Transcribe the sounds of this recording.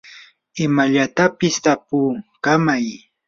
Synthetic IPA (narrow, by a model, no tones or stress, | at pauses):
ɪmaʎat̪apɪst̪apʊːkamaj